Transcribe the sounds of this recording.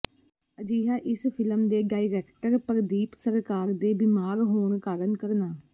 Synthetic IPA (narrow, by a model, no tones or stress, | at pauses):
əd͡ʒiːɦaːʔɪspʰɪləmd̪eːɖaːiɾɛːkʈəɾpəɾd̪iːpsəɾkaːɾd̪eːbɪmaːɾɦoːɳkaːɾənkəɾnaː